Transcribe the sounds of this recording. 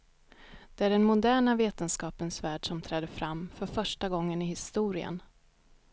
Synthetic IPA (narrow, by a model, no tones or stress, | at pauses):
d̪̥ɛæɖɛnmʊd̪æːɳaveːt̪ənskɑːpənsvæːɖʂɔmt̪ʰɾɛːd̪əfɾamːfœɾfœʂʈaɡɔŋːənɪhɪst̪uːɾɪə̰n